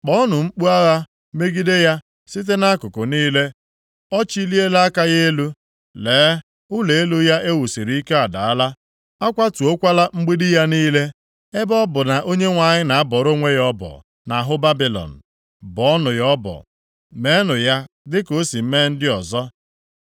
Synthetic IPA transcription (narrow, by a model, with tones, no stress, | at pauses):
k͡pɔ˦ɔ˦nʊ˨ŋ͡m̩˦k͡pu˦a˦ɣa˦ | me˦ɡi˦de˦ja˦ | si˦t̬e˦na˦kʊ˨kʊ˨niː˦le˦ | ɔ˦t͡ʃi˦li˦e˦la˦ka˦je˦e˦lu˦ | leː˨˦ | ʊ˦le˨e˦lu˦ja˦ʔe˦wu˨si˨ɾi˨˦i˦ke˦a˨da̰˨a˦la˦ | a˦kʷa˦tu˨o˦kʷa˦la˦ŋ͡m̩˦ɡ͡bi˦dɪ˦ja˦niː˦le˦ | e˦bɔ˦bʊ˨na˨ʔo˦ɲe˦ŋʷa˨ɲɪ˦na˨a˦bɔ˨ɾo˦ŋʷe˦jɔ˦bɔ̰˨ | na˨ɦʊ˦ba˦bi˨lɔ̰˨n̩˨ | bɔ˨˦ɔ˦nʊ˨jɔ˦bɔ̰˨ | me˨˦nʊ˨ja˦ | dɪ˦ko˦si˨m̩˦me˦n̩˦dɪ˦ɔ˨zɔ˦